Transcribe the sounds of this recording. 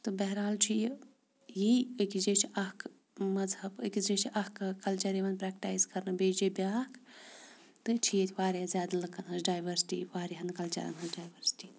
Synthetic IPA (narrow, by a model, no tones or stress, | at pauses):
t̪ɨbɛɦɾaːlt͡ʃʰije | jiəkid͡ʒet͡ʃʰiʔɐhk | mɐzhɐbɐ̰kʲizd͡ʒet͡ʃʰiʔɐhkkɐlt͡ʃɐɾeʋɐnpɾɛkʈaːjzkɐɾnɨbed͡ʒibjaːkʰ | t̪ɨt͡ʃʰijɐt̪ʰʲiʋaːɾiɐzʲjaːd̪ɐlɐkːɐnɦɐzɖaːjʋɐɾsi̥ʈḭʋaːɾiɦɐnkɐlt͡ʃɐ̰ɾɐ̰nɦɐzɖaːjʋɐɾsi̥ʈi